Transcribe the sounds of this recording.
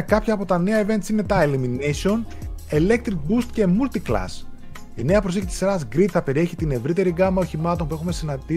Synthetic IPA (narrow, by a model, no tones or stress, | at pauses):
kɐpçɐːpo̞t̪ɐne̞ɐeve̞nd̪isime̞t̪ɐeliminesio̞n | e̞le̞k̚t̪ɾik̚bust̪ce̞mult̪iklɐ̰s | ine̞ɐpɾo̞secit̪isɾɐzɡɾit̪θɐpe̞ɾieçit̪ine̞vɾit̪e̞ɾiɡɐmɐo̞çimɐt̪o̞npue̞xume̞sinɐd̪i